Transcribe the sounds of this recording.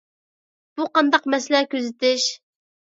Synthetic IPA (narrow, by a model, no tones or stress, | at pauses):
b̥uqɑnd̪ɑqmɛslɛkʲøzɪt̪ɪʃ